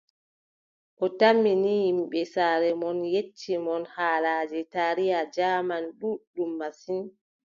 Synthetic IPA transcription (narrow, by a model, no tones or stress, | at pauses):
ʔɔtamːinihimɓɛsaːɾɛmɔnjet͡ʃːimɔnhaːlaːd͡ʒɛtaɾijad͡ʒaːmanɗuɗumːasin